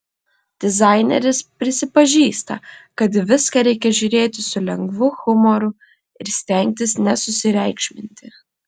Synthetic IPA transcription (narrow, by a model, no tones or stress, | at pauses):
d̪̥ʲɪzɑˑɪnʲɛ̰ɾʲɪspʲɾʲɪsʲɪpɐʒʲiːst̪ɐ̰kɐt̪ʋʲɪskɐɾʲɛɪkʲɛʒʲʊɾʲeːt̪ʲɪsʊlʲɛŋɡʋʊxʊmɔɾʊ | ɪɾsʲt̪ʲɛŋʲk̚ʲt̪ʲɪsnʲɛsʊsʲɪɾʲɛɪkʃʲmʲɪnʲt̪ʲɪ